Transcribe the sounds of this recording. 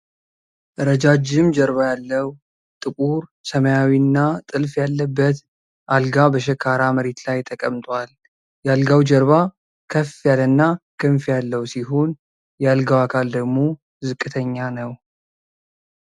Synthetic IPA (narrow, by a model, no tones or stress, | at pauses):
ʔɨɾəd͡ʒad͡ʒɪmd͡ʒəɾβajalːəw | t̪ʼɨkʼuɾsəməjawinːat̪ʼɨlfjalːəbːət̪ | ʔalɡabəʃ̬ɛkʰaɾaməɾe̞t̪lajt̪ʰəkʼəmt̪ʼwal | jalɡawd͡ʒəɾβa | kʰəfjalənːakʰɨɱfjalːəwsiɦo̞n | jalɡawakʰald̪əɡmo̞ | zɨkʼːɨt̪ʰəɲːanəw